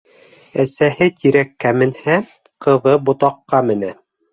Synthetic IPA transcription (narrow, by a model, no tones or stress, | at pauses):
æsæhɘt̪iɾækːæmɘ̆nhæ | qɤ̆ðɤbŏt̪ɑqːɑmɘ̆næ